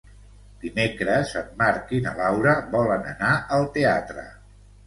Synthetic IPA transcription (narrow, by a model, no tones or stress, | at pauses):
d̪̥imekɾəzəmːaɾkinə̰lawɾəbɔlənə̰naʔəlˠt̪eat̪ɾə̰